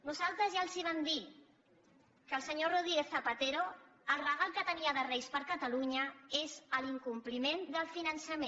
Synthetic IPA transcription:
nuzalˠt̪ɾəzjalˠziβ̞amd̪i | kəlˠsəɲoruðɾiɣeθəpət̪eɾoəlˠrəɣalˠkət̪əniəðərɛjspəɾkət̪əluɲəezəliŋkumplimend̪əlˠfinənsəmẽ

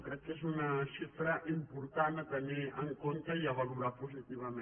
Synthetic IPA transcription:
kɾekesunasifɾaʔimpuɾt̪anat̪aniaŋkont̪ajaβaɣuɾapusit̪iβamẽ

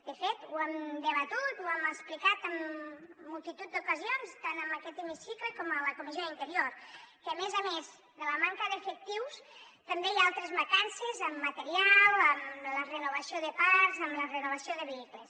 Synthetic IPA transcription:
d̪̥əfet̪uɛmd̪əβat̪ut̪uaməksplikat̪əmː | ulˠt̪it̪ut̪̚d̪ukəzionst̪anəməkɛt̪emisikləkɔmələkumizjoðint̪əɾjoɾkəəmezamez | ðələmaŋkəðefək̚t̪iws | t̪ambejaalˠt̪ɾezβakansezəmːət̪eɾialˠəmlərənuβəsioðəpaɾzəmlərənuβ̞ɐsioðəβeikles

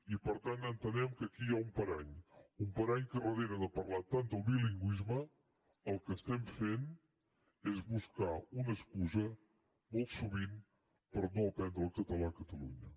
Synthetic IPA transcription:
ipəɾt̪anənt̪ənɛmkəkijaumpəɾaɲumpəɾaɲkərəðeɾəðəpəɾlat̪and̪əlˠβiliŋɡwizmə | əlˠkəst̪ɛmfen | ezβuskaunəskuzə | molˠt̪suβin | pəɾnoəpɛnd̪ɾəlˠkət̪əlakət̪əluɲə

